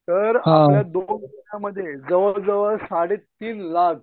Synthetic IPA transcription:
t̪əɾɦãjad̪ond̪iɳjaməd̪ʱːjed͡zəʋəd͡zəʋəɾsaɽet̪iːnlak

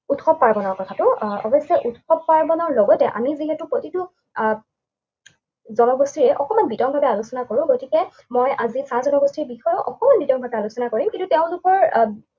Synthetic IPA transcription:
utxɔb̚paɹbɔnɔɹkɔtʰatʊɔ̰bɔsɔʔutxɔbpaɹbɔnɔɹlɔɡɔtɛ̰ʔa̰miziɦɛtʊpotitu | zɔnɔɡostiɹɛʔɔkɔmanbitɔŋbʱabɛalusɔnakoɹʊ̃ɡotikɛ | mɔjʔazisãzɔnɔɡostɹiɹbixɔjɔʔɔkɔmanbitɔŋbʱabɛalusɔnakoɹimkintutɛʊ̃dukɔɹ

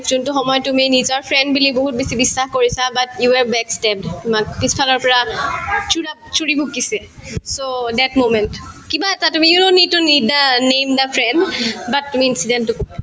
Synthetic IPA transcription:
zuntuxɔmɔjɔtuminizɔɹpʰɹɛndbiliboɦut̚besibisːaxkoɹisabatjuwɛɹbɛkstɛp̚dtʊmak̚pispʰalɔɹpɔɹat͡ʃʰuɹa | t͡ʃʰuɹibʱukːisɛ | sodɛtmomɛntkibaɛtatumiunonitunidanemdapʰɹɛndbatːumiinsidɛntːʊkoɛ

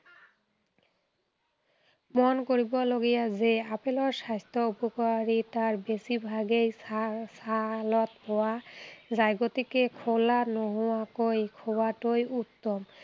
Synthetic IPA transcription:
monkoɾiboloɡijad͡ʑeapeloɾʃajst̪ʰoupokoɾit̪aɾbesibʱaɡejsalot̪pɔad͡ʑajɡot̪ikekʰolanɔɦɔakojkʰobaʈojʔut̪ːom

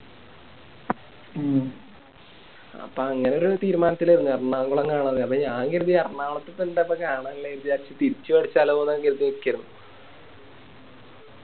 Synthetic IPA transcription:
ɐ̰pːoɐŋːɐne̞o̞ɾut̪iːɾumaːnɐt̪ːiliɾunːuɐrɐɳaːŋɡuɭɐŋɡaːɳɐðɨɐpːoɲaːŋɡeɾuðiɐrɐɳaːɭɐt̪ːep̪ːeɳɖepːɐkːaːɳalːeeɾud̪ijaːɾt͡ɕːɨt̪iɾit͡ɕːɨʋɐɽit͡ɕːaːloonːɐɡeɾuðiiikʲːɐjɾunːu

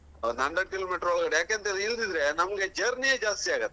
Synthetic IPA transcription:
nɐɳɖɐɖ̚kiloːmiːʈɐɾɔɭɡɐɽejaːkeɐnt̪eːlɐild̪id̪ɾenɐmɐɡed͡ʒɐɾnieːd͡ʒaːst̪iaːɡɐt̪ːe̥

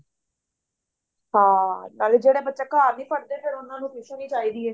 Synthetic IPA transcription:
ɦãːnaːlid͡ʒeːɽeːbət̪ːʃeːkəɦaːɾniːpəɽd̪eːkeɾʊnːãːnũːpiʃẽnĩːt͡ʃaːiːd̪iːɛː

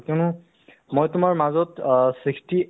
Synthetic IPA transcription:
kɛnʊ | mojtʊmaɹmazɔtsɹiksti

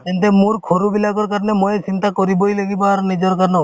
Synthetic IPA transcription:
k̪ɛnt̪emuɾkʰoɾubilaɡɔɾkaɾnemojet͡ʃint̪akɔɾibojlaɡibɔaɾnid͡ʒɔɾkaɾnɔ

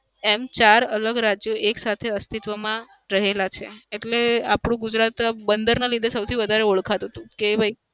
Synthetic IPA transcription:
emt͡ʃaɾələɡɾad͡ʒjoʔeksat̪ʰeəst̪it̪ʋəmã | ɾəɦelat͡ʃʰeeʈleapɽ̃ũɡud͡ʒɾat̪bənd̪əɾnalid̪ʱesəwt̪ʰiʋəd̪ʱaɾeuɭkʰat̪ɦət̪ũkebʱai

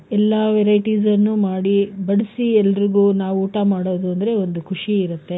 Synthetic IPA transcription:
ɛlːɐʋɛɾɐjʈiːsɐnːumaːɽibɐɽisiɛlːɐɾiɡuːnaːʋuuːʈamaːɽoːd̪uɐnd̪ɐɾe̞o̞nd̪ukʰuʂiːɾut̪ːe̞

